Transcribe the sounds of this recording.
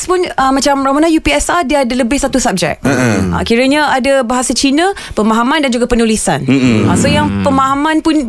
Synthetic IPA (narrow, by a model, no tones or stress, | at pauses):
spʊnəmat͡ʃamɾawanajupiɛsadiəadaləbɪhsat̪usap̚d͡ʒɛ̰k̚a̰kiɾəɲãadabaɦasat͡ʃinə̃ | pəmaɦamãndand͡ʒuɡapənulisa̰na̰səjaŋpəmaɦamãnpʊn